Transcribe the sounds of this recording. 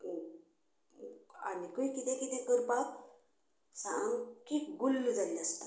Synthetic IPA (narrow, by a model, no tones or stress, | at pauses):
a̰nikəikit̪ɛ̃kit̪ɛ̃kəɾpak | sãŋɡkikɡulːd͡zalast̪a